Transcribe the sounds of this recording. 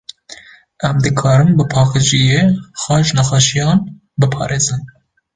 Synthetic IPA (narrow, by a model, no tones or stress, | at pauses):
ɛmd̪ɨkʰɑːɾɨmbɨpʰɑːqɨd͡ʒijexɑːʒnɛxɑʃijɑːn | bɨpʰɑ̰ːɾeːzɨn